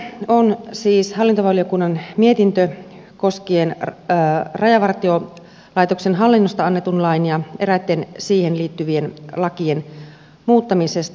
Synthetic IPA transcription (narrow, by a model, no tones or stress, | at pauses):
onsiːshɑlːint̪oʋɑlijokunːɑnmie̞t̪int̪ø | ko̞skien | rɑjɑʋɑrt̪io | lɑjt̪oksenɦɑlːinːost̪ɑɑnːet̪unlɑinijɑeɾæt̪ːensiːhenliːt̪ːyʋienlɑkien | muːt̪ːɑmisest̪